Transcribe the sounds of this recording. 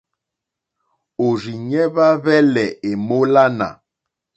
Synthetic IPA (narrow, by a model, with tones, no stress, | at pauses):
o˨ɾi˨ɲɛ˦βa˦βɛ˦lɛ˨e˨mo˦la˦na̰˨